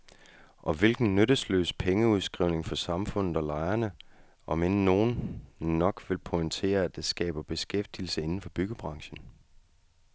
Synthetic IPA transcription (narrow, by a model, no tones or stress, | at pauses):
ʔɒ̽ʋe̝lɡ̥n̩nøɾ̥əslø̰ːspʰeŋəuð̞ˠsɡ̥ʁḭʊne̝ŋfɒ̽sɑ̈mfɔ̽n̰ð̩ˠɒ̽lɑ̈ɪɐnə | ʔɒ̽menəno̝ːn̩ː | ɒ̽ɡ̥ʋe̝lpʰɔɪnt͡sʰe̝̰ːɐæd̥esɡ̥ɛ̰ːb̥ɐb̥e̝sɡ̥efd̥iːl̩səe̝nn̩fɒ̽b̥yɡ̥əb̥ʁɑ̈ŋɕən̩